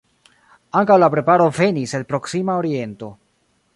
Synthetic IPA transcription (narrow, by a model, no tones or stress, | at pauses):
aŋkawlapɾe̞paɾo̞ve̞niselpɾo̞ksimaoɾie̞nto̞